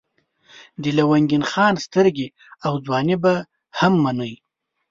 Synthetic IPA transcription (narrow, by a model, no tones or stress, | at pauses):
d̪əlawaŋɡɪnxɑnst̪əɾɡʲe | awd͡zwɑniba | hamːanəj